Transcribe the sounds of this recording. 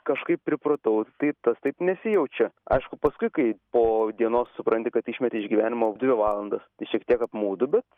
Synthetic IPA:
kɐʃkɐɪpʲpʲɾʲɪpɾoːt̪ɐʊt̪ɐɪt̪ɐst̪ɐɪpnʲɛsʲɪjɛʊt͡ʃʲɛɐ̰ɪʃkʊpɐskʊɪkɐɪpoːd̪ʲiɛnoːssʊpɾɐnʲt̪ʲɪkɐt̪iʃʲmʲɛt̪ʲɪɪʒʲɡʲiʋʲæːnʲɪmoːd̪ʲʋʲɪʋɑːlˠɐnd̪ɐst̪ɐɪʃʲiɛkt̪ʲiɛkɐpmuːd̪ʊbʲɛt̪

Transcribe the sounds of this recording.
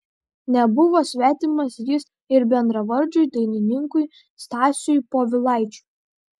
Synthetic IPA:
nʲɛbʊʋoːsʲʋʲæːt̪ʲɪmɐsjɪs | ɪɾbʲɛnd̪ɾɐʋɐɾʲd͡ʒʲʊjd̪ɐɪnʲɪnʲɪŋkʊj | st̪ɑːsʲʊjpoːʋʲɪlˠɑˑɪt͡ʃʲu̥ˑ

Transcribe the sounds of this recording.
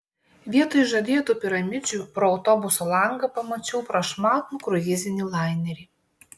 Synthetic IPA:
ʋʲiɛt̪oːjʒɐd̪ʲiːt̪uːpʲɪɾɐmʲɪd͡ʒʲupɾɔɐʊt̪ɔbʊsolˠɐŋɡɐpɐmɐt͡ʃʲɛʊpɾɐʃmɑːt̪uːkɾʊjʲɪzʲɪnʲiːlˠɑˑɪnʲɛɾʲiː

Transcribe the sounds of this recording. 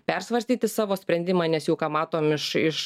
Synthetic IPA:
pʲɛɾsʋɐɾʲsʲt̪ʲiːt̪ʲɪsɑːʋoːsʲpʲɾʲɛnd̪ʲɪmɑːnʲɛsjɛʊkɑːmɑːt̪oːmɪʃɪʃ

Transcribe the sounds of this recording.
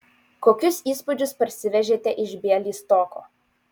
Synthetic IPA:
koːkʲʊsiːspʊd͡ʒʲʊspɐɾʲsʲɪʋʲɛʒʲeːt̪ʲɛʔɪʒʲbʲeɛlʲiːst̪ɔko̰ː

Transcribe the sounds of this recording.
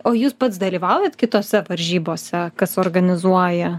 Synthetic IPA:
oːjuːspɐt̪sd̪ɐlʲiːʋɑʊjɛt̪kʲɪt̪oːsʲɛʋɐɾʲʒʲiːboːsʲɛkɐsoːrɡɐnʲɪzuɔjɛ

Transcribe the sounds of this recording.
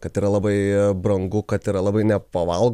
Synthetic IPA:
kɐt̪iːɾɐlˠɑːbɐɪbɾɐŋɡʊkɐt̪iːɾɐlˠɑːbɐɪnʲɛpɐʋɐlˠɡ

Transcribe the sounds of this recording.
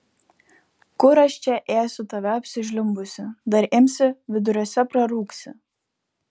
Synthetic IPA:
kʊɾɐʃʲt͡ʃʲɛʔeːsʲʊt̪ɐʋʲɛɐpʲsʲɪʒʲlʲʊmbʊsʲɪd̪ɐɾɪmʲsʲɪʋʲɪd̪ʊɾʲoːsʲɛpɾɐɾuːksʲɪ̰

